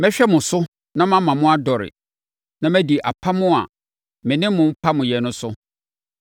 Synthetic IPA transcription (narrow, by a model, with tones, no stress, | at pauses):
mɛ̃˦ɕᶣɛ˦mʊ̃˨sʊ˦ | nã˦mã˦mã˨mʊ̃˦a˦dɔ˨ɾɪ̰˨ | nã˦mæ̃˦di˨ʔa̰˨pʰa˦mʊ̃˦a̰˨ | mɪ̃˨nɪ̃˦mʊ̃˨m̩˦pʰa˦mʊ̃˨jɛ˨nʊ̃˦sʊ˦